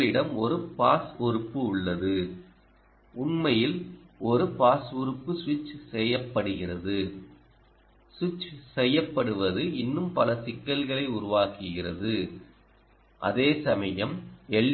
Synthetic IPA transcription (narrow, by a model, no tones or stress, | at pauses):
ɭɪɽɐmɔɾɯpaːsɔɾɯpːɯʊɭːɐðɯ | ʔʊɳmɐjɪlʔɔɾɯpaːsɔɾɯpːɯsʋɪt͡ʃsɛjːɐpːɐɽɯɣɪrɐðɯ | swɪt͡ʃsɛjːɐpːɐɽɯʋɐðɯɪnːɯmpɐlɐsɪkːɐlɣɐɭɐɪʊɾʊʋaːkɯɣɪrɐ̰ðɯ | ʔɐ̰ðeːsɐmɐjɐmɛɭː